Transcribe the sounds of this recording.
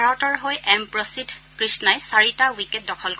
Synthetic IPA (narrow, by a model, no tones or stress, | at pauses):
ɹɔtɔɹɦojʔɛmpɹɔsidkɹisnajsaɹitawikɛt̚dɔkʰɔlkɔ